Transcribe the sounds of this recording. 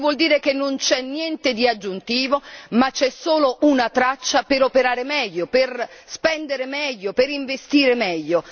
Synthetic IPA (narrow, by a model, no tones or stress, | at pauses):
vwɔld̪iːɾekenːont͡ʃɛnːjɛnt̪ed̪iad͡ʒːunt̪iːvomat͡ʃːɛsːoːloʔunat̪ɾat͡ʃːapeɾopeɾaːɾemɛʎːoperspɛnd̪eɾemɛʎːopeɾiɱvest̪iːɾemɛʎːo